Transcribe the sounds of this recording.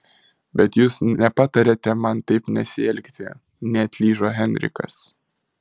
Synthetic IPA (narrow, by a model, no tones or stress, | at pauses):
bʲɛt̪juːsnʲɛpɑːt̪ɐɾʲet̪ʲɛmɐnt̪ɐɪpnʲɛsʲɪɛlʲkt̪ʲɪ | nʲɛɐt̪ʲlʲiːʒoːɦʲɛnʲɾʲɪ̰kɐ̰s